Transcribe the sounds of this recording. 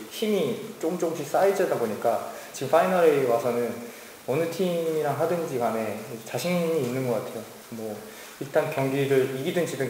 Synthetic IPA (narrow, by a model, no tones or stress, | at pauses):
çimit͡ɕ͈omt͡ɕomɕʰis͈aid͡ʑʌdaboɲik͈a | t͡ɕiɡɯmfʰainʌɾewasʰʌnɯn | ʌnɯtʰimiɾaŋɦadɯnd͡ʑiɡane̞t͡ɕaɕʰiŋɲiːnːɯnɡʌk͈atʰe̞jo | mʌ | iɭt͈ankjʌŋɡiɾɯɭiɡidɯnd͡ʑidɯ